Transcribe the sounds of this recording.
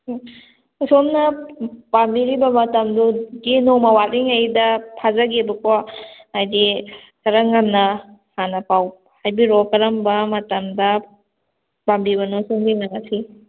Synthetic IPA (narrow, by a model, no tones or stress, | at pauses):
usomnɐbambiɾibɐmɐtɐmduɡinomɐwatiŋɐjdɐpʰazɐɡebɐkaajdikɐɾɐŋɐmnɐhanɐpaw | hajbiɾokɐɾɐmbɐmɐtɐmdɐ | bambiβɐnosomɡinaŋatʰi